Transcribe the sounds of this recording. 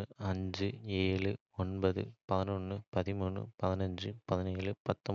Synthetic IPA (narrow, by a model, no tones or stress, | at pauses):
ɯɐɲd͡ʒɯeːɭɯ | ɔnbɐðɯ̰pɐðɪnɔnːɯpɐðɪmuːɳːɯ̰pɐðɪnɐɲd͡ʒɯpɐðɪneːɭɯpɐt̪ːɔ